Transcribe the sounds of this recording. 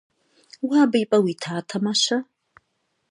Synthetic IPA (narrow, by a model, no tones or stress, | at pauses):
waːbɐjpʼɐwiːtʰaːtʰɐmaʃɐ